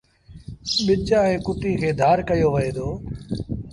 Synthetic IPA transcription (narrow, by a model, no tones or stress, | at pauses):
ɓɪt͡ʃãːẽːkʊʈiːkʰeːd̪ʱaːɾkəjoːʋəeːd̪oː